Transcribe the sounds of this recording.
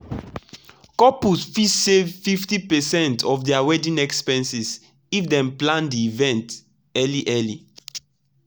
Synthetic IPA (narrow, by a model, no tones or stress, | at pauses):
kɔpusfisevfiftipɛsɛ̃ntʰɔfdɛawɛdĩnɛkspɛ̃nsis | ifdɛ̃mplãndiːvɛ̃nt | ɛliʔɛli